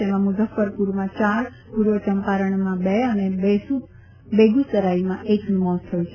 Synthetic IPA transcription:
emãmʊzəfːəɾpuɾmãt͡ʃaɾ | kuɾʋət͡ʃəmpaɾəɳmãbeənebesu | beɡusəɾaimãʔeknmɔst̪ʰəjũt͡ʃʰe

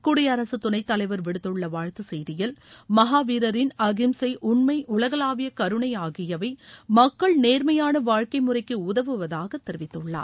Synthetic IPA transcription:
kʊɽɪjɐɾɐsɯt̪ːʊnɐɪt̪ːɐlɐɪʋɐɾʋɪɽɯt̪ːɯɭːɐʋaːɻt̪ɯsɛjðɪjɪlmɐɦaːʋiːɾɐɾɪnɐɣɪmsɐɪʔʊɳmɐɪʔʊɭɐɣɐlaːʋɪjɐkɐɾɯɳɐɪaːɣɪjɐʋɐɪmɐkːɐɭneːɾmɐjaːnɐʋaːɻkɐɪmʊrɐɪkːɯʊðɐʋɯʋɐðaːɣɐt̪ːɪɾɪʋɪt̪ːɯɭːa̰ːɾ

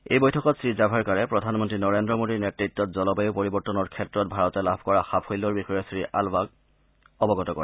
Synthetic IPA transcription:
ḛjbojtʰɔkɔtsɹizabʱaɹkaɹɛpɹɔdʱanmɔntɹinɔɹendɹɔmodinetɹitːɔt̚zɔlɔbajʊpoɹibɔɹtɔnɔɹkʰɛtɹɔt̚bʱaɹɔtɛlabʱkɔɹaxapʰojlɔɹbixɔjɔsɹiʔa̰lbaɡ̚ | ɔbɔɡɔtɔkɔ̰ɹɛ

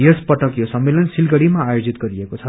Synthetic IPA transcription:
jespʌʈʌkjosʌmːelʌnsilɡʌɽimaːjod͡zit̪ɡʌɾiekot͡sʰʌ

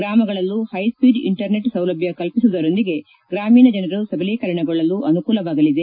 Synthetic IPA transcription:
ɡɾaːmɐɡɐɭɐlːuhɐjspiːɖḭɳʈɐɾne̞ʈsɐwlɐbʱjɐkɐlpisud̪ɐɾo̞nd̪iɡe̞ | ɡɾaːmiːnɐd͡ʒɐnɐɾusɐbɐlekɐɾɐɳɛɡoɭːɐlːuʔɐnukuːlɐʋaːɡɐlid̪e̞

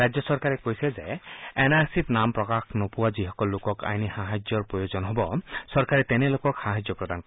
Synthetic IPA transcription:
ɾad͡ʒjɔsɔɾkaɾekojsɛzeenaɾsit̪nampɾɔkaxnɔpuwad͡ʒiɦɔkɔlːokɔka̰jnihaɦad͡ʒjɔɾpɾɔjod͡ʒɔnɦɔbɔsɔɾkaɾɛt̪ɛnelokɔkhaɦad͡ʒjɔpɾɔd̪ankɔ

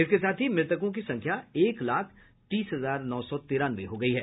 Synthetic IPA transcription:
ɪskesaːt̪ʰɦimɾɪt̪ək̬õk̬isɐ̃ŋkʰjaeːklaːkʰ | t̪iːsɦɐzaːɾnɔːsɔt̪iːɾãːnʋeɦoɡɐiɦɛː

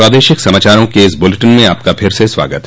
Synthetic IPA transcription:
ɾaːd̪eːʃɪksɐmaːt͡ʃaːɾõkeɪsbʊleʈənmẽaːp̚kapʰɪɾseswa̰ːɡət̪

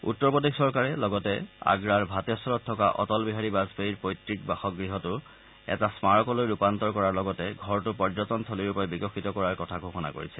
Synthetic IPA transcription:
ṵtːɔɹpodiksɔɹkaɹɛlɔɡɔtɛa̰ɡɹaɹbʱatɔsɔlɔtʰːɔkaʔɔ̰tɔlbiɦaɹibazpeiɹpojtɹik̚baxɔk̚ɡɹiɦɔtʊ | ɛ̰tasmaɹɔkɔlojɹupantɔɹkɔɹaɹlɔɡɔtɛɡʱɔɹtʊpɔɹzɔtɔntʰoliɹupɔɛbikɔxitɔkɔɹaɹkɔtʰaɡʱoxɔna̰ko̰ɹisɛ

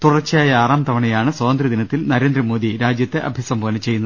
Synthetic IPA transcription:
t̪urɐrt͡ɕːijaːjɐaːraːmt̪ʰɐʋɐɳɐjaːɳɨsɐːɐnd̪ɾid̪inɐt̪ːilnɐɾe̞ːnd̪ɾɐmo̞ːðiɾaːd͡ʑjɐt̪ːe̞ʔɐ̰bʱjɐsɐmbʱoːnɐt͡ɕe̞jːunːɐð

